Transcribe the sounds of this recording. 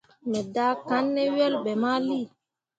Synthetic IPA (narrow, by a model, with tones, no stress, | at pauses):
mɛ˨da˨˦ka˨˦nːɛ˦ɥɛ˦lɓɛ˨ma˦li˦˨